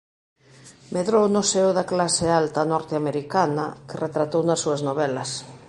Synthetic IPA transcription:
meðɾownoseoðaklasealt̪anɔɾt̪eameɾikanakeret̪ɾat̪ownasːuaznoβɛlas

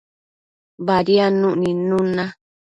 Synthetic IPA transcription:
baɾianũʔnĩnũnã

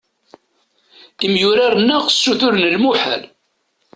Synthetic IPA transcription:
imjʊɾaɾənːæʁəsːuθʊɾnəlmuħæ̰l

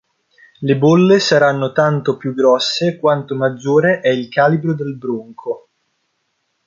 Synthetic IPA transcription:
lebolːesaɾanːot̪ant̪opjuɡːɾɔsːekwant̪omad͡ʒːoːɾeʔɛilkaːlibɾod̪elbɾuŋkʰo

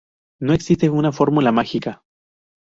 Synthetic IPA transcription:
no̞e̞ksist̪eunafo̞ɾmulamaxika

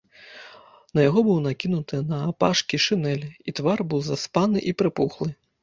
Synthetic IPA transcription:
nɐjaɣɔbɨwnakʲinut̪ɨnɐːpaʂkʲiʂɨnɛlʲit̪varbɨwzaspanɨʔipɾɨpuxlˠɨ

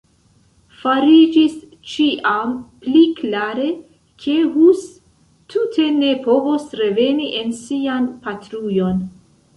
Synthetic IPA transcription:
faɾid͡ʒis | t͡ʃiʔampliklaɾe̞ | kʰe̞ɦus | tʰutʰe̞ne̞po̞vosɾe̞ve̞niʔe̞nsianpatɾujo̞n

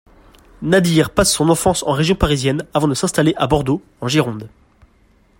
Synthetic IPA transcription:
nad̪iʁpasːɔ̃nɑ̃fɑ̃sɑ̃ʁeʒjɔ̃paʁizjɛnavɑ̃d̪əsɛ̃st̪aleʔabɔʁd̪o | ɑ̃ʒiʁɔ̃d̪

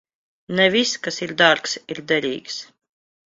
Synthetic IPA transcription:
nɛvʲiskasiɾd̪aɾksiɾd̪ɛɾʲḭːks

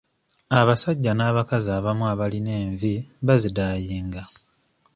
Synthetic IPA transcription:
aβasaɟːanaːβakazaːβamuaβaline̞ːɱviβazidaːjiːŋɡa

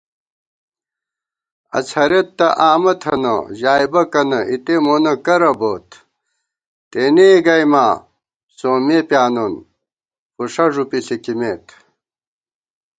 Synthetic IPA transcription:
ɐ̰t͡sʰɐɾet̪ːɐʔaːmɐt̪ʰɐnɐ̰ʑaːjbɐkɐnɐʔit̪emonɐkɐɾɐboːt̪ʰ | t̪eneɡɐjmaː | soːmepjaːnon | puʂɐʐupisikimeːt̪

